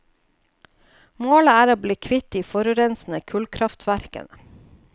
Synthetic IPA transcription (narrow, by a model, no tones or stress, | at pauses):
moːləæːɾoːbliːkʰʋɪt̪iːfɔɾʉɾɛnsn̩əkʰʉlkʰɾɑft̪ʰʋæɾkə̰nə